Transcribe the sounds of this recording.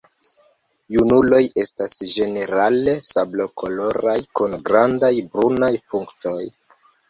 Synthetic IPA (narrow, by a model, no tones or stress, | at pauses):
junulo̞je̞stasʒe̞ne̞ɾale̞sablokʰo̞lo̞ɾajkunɡɾandajbɾunajpuŋkto̞j